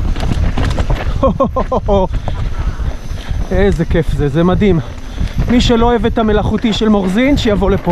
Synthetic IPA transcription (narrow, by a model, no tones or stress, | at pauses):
o | ezekefzezemadim | miʃelo̞evet̪ame̞laχutiʃelmo̞ʁzinʃejavo̞le̞po